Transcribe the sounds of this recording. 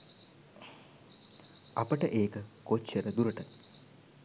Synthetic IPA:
apəʈəʔeːkəkot͡ʃːeɾəd̪uɾəʈə

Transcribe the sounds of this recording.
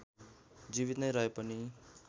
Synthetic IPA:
d͡ziβit̪nʌjɾʌɦepʌni

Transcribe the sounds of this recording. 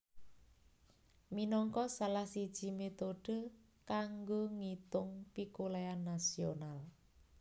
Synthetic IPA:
minɔŋkɔsalahsid̥ʒ̥i̤met̪oɖ̥ə̤ | kaŋɡoŋit̪ʊŋpikolajanːasional

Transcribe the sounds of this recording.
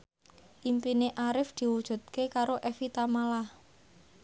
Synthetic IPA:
ʔimpineʔaɾɪfd̪̥i̤wud̥ʒ̥ṳt̪̚kekaɾoʔɛfit̪amalah

